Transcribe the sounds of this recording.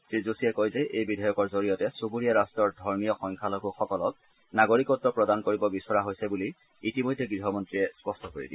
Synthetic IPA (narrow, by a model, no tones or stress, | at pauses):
sɹizusijɛkojzɛʔejbidʱajɔkɔɹzoɹijɔtɛsuɡuɹijaɹastɔɹdʱɔɹmijɔxɔŋkʰaloɡuxɔkɔlɔk̚ | naɡoɹikɔtːɹɔpɹɔdankoɹibɔbisɔɹaɦojsɛbuliː | timojdʱːɛɡɹiɦɔmɔntɹiɛspɔstɔkoɹḭdḭ